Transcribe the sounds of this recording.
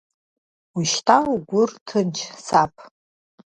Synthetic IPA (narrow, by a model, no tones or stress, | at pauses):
wiʃtʰauɡʷʊrtʰɨnt͡ʃʰsapʼʰ